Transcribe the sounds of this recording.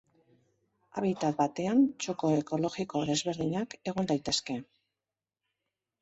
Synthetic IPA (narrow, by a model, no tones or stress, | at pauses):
a̰βit̪at̪bat̪e̞ant͡ʃo̞ko̞eko̞lo̞ɣiko̞ðe̞zβe̞ɾðiɲake̞ɣ̞o̞nd̪ajt̪e̞ske̞